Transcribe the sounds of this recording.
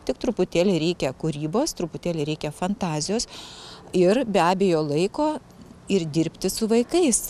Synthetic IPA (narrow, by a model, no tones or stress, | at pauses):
t̪ʲɪk̚t̪ɾʊpʊt̪ʲæːlʲɪɾʲɛɪkʲɛkʊɾʲiːboːst̪ɾʊpʊt̪ʲæːlʲɪɾʲɛɪkʲɛfɐnt̪ɑːzʲɪjoːs | ɪɾbʲæːbʲeːjoːlˠɐɪkoː | ɪrd̪ʲɪɾʲpʲt̪ʲɪsʊʋɐɪkɐɪs